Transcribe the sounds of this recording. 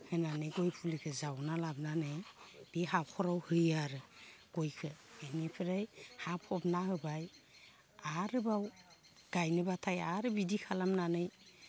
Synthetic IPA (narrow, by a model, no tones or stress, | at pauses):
hɯnanɯjɡojpʰulikʰɯzawnalab̚nanɯjb̥iɦakʰɔɾawhɯjaɾɯɡ̥ojkʰɯenipʰɯɾajhapʰɔbnaɦɯbaj | aɾɯbaw | ɡ̥ajnɯbatʰajaɾɯbidikʰalamnanɯj